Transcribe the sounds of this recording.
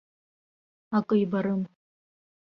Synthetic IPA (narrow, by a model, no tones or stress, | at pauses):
akʼɨjbaɾɨm